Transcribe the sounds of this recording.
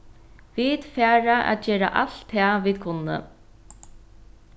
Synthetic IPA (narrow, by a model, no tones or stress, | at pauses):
viːd̪fæːɾaʔa̰ːt̪d͡ʒeːɾa̰ʔaɬt̪ʰːɛːviːd̪̚kʰʊnːə̰